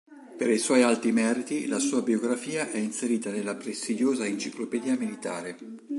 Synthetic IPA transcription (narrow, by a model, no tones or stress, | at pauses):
peɾiswɔjalt̪imɛːɾit̪ilasuːabioɡɾafiːaʔɛinseɾiːt̪anelːapɾest̪id̪joːzaint͡ʃikloped̪iːamilit̪a̰ːɾe